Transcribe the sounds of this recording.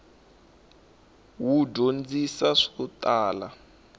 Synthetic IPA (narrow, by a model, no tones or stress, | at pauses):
wudond͡zisaʂi̥kutaːla